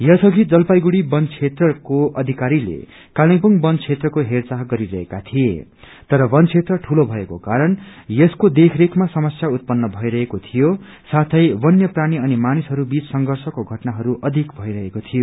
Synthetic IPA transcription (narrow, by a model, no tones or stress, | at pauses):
jʌsʌɡʱid͡zʌlpajɡuɽibʌnt͡sʰet̪rʌkoʔʌd̪ʱikaɾilḛ | kaliŋpuŋbʌnt͡sʰet̪rʌkoɦert͡saɦɡʌɾiɾʌɦekat̪ʰije | t̪ʌɾʌbʌnt͡sʰet̪rʌʈʰulobʱʌekokaɾʌnjʌskod̪ekʰrekʰmasʌmʌsjaut̪̚pʌnːʌbʱʌiɾʌɦekot̪ʰijo | sat̪ʰʌjbʌnjʌpraɽ̃iʌnimanisɦʌɾubit͡ssʌŋɡʱʌrsʌkoɡʱʌʈnaɦʌɾuʔʌd̪ʱikbʱʌiɾʌɦekot̪ʰijo